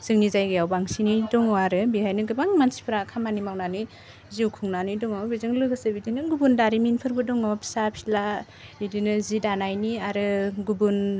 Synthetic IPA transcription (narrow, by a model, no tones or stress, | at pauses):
z̥ɯŋnizajɡɯjawbaŋsinidɔŋawaɾɯbiajnɯɡɯbaŋmansi̥pʰɾakʰamanimawnani | ziwkʰuŋnanidɔŋawbizɯŋlɯɡɯsɯbidinɯɡubundaɾiminpʰɯɾbɯdɔŋɔpʰsapʰila | bidinɯzidanajniaɾɯɡubun